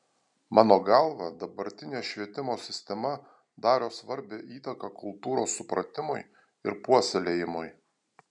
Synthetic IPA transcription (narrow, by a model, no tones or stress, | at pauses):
mʔɑːnoːɡɑˑlˠʋɑd̪ɐbɐɾʲt̪ʲɪnʲeːʃʲʋʲiɛt̪ʲɪmoːsʲɪsʲt̪ʲɛmɐ | d̪ɑːɾoːsʋɐɾʲbʲɛʔiːt̪ɐkɐkʊlˠt̪uːɾoːsːʊpɾɐt̪ʲɪmʊɪ | ɪ̰ɾpuɔsʲɛlʲejɪmʊj